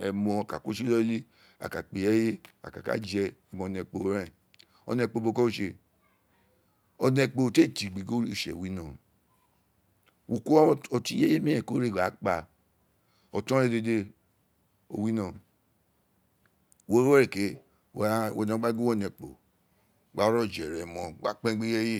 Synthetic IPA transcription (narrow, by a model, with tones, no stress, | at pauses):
ɛ̰˨mɔ̃˧˨ka̰˨ko˦ʃi˦ɔ˦li˦ | a̰˨ka˨k͡pe˨ɛ˦je˦a̰˨ka̰˨ka̰˨˦d͡ʒɛ˧ɛ˨mɔ̃˧˨nɛ˧k͡po˨˦ɾɛ˦˨ | ɔ̰˨nɛ˧˨k͡po˧˨bo˧kɔ˦o˦ʃe˧ | ɔ˧nɛ˧k͡po˨te˦˨ti˨ɡ͡bi˨ɡo˦ɾʃɛ̰˨wi˨˦nɔ̃˨ | wu˨ku˦o˧ti˦je˦e˦mĩ˦ɛ̃˨ko˦ɾe˦˨ɡ͡ba˨˦k͡pa˧ | ɔ˨tɔ̃˦ɾe˦de˧de˧ | o̰˨wi˦nɔ̃˨ | wo˦e˦ɾe˨ke˨˦˨ | o̰˨nẽ˨˦ɡ͡ba˦ɡo˦ɔ˦˨nɛ˨k͡po̰˨ | ɡ͡ba˨˦ɾɔ˦˨d͡ʒɛ˨ɾɛ˨mɔ̃˨ɡ͡ba˨˦k͡pɛ̃˦ɡ͡be˦je˦je˦